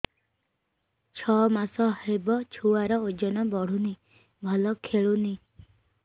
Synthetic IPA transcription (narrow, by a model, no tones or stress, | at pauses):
t͡ʃʰɔmasɔɦebɔt͡ʃʰuwaɾɔod͡ʒɔnɔbɔɽ̤uni | bʱɔlɔkʰeɭuni